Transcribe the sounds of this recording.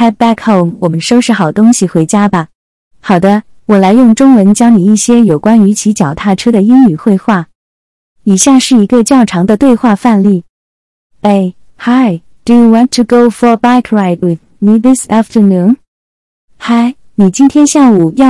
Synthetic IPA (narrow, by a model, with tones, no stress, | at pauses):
a˥t̚bæ˥kʰo˥˩nwɔ˨˩mə˦nʂo˥ʊʂɻ̩˥˩xɑ˨˩ʊt̪ʊ˥ŋɕi˨xwe˧˥ɪt͡ɕja˥bɐ˨ | xɑ˨˩ʊd̪ə˦ | wɔ˨˩la˧˥ɪjʊ˥˩ŋʈ͡ʂʊ˥ŋwə˧˥nt͡ɕjɑ˥ŋni˨˩i˥˩ɕjɛ˥jo˨˩ʊkwa˥ny˧˥t͡ɕʰi˧˥t͡ɕjɑ˨˩ʊt̪ʰa˥˩ʈ͡ʂʰɤ˥ɾə˨i˥ŋy˨˩xwe˥˧ɪxwa˥˩ | i˨˩ɕja˥˧ʂɻ̩˥˩i˧˥ɡə˧t͡ɕjɑ˥˩ʊʈ͡ʂʰɑ˧˥ŋd̪ə˧t̪we˥˧ɪxwa˥˧fa˥˧nli˥˩ | e˥˩ɪ | ha˥ɪ | d̥u˨˩ju˨wɑ˥ntʰu˨ɡo˥ʊfɔ˨ba˥ɪkʰɹa˧ɪt̚wɪ˨˩ð | mi˧ðɪ˥sa˥ftʰə˞˨˩nu˧˥n | xa˥ɪ | ni˨˩t͡ɕi˥nt̪ʰjɛ˥nɕja˥˩u˨˩jɑ˥˧